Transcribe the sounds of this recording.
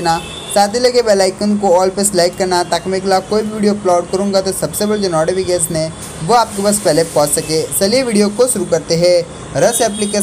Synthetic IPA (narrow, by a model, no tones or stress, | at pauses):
na | saːt̪ʰilɐɡebɛːlaːɪkənkoɔːlpeslaːɪkːɐɾnat̪aːkmeklakoːibʱiʋiːɖijoplaːʊɖkɐɾũːŋɡat̪osɐbsebɐɽd͡ʒonɔːɖebiɡɛːsnɛ̃ | ʋoaːp̚kibɐspɛɦlepɔ̃ːt͡ʃsɐkeːsɐliʋiːɖijokoʃʊɾukɐɾt̪eɦɛ̃ː | ɾɐsɛːplike